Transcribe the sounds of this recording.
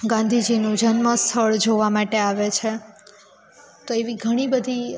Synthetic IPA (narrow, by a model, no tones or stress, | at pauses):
ɡãnd̪ʱid͡ʒinũd͡ʒənməst̪ʰəɭd͡ʒoʋamaʈeaʋet͡ʃʰe | t̪oeʋiɡʱəɽ̃ibəd̪ʱi